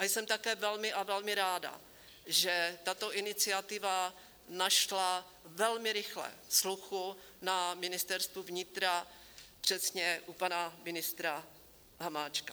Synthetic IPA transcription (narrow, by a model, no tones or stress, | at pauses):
ʔajsɛmt̪akɛːvɛlmɪʔavɛlmɪɾaːda̰ | ʒɛt̪at̪o̞ʔɪnɪt͡sɪat̪ɪva | naʃla | vɛlmɪɾɪxlɛ̰sluxunamɪnɪst̪ɛɾst̪vuvɲɪt̪ɾa | pr̝̥ɛsɲɛʔupanamɪnɪst̪ɾa | ɦamaːt͡ʃka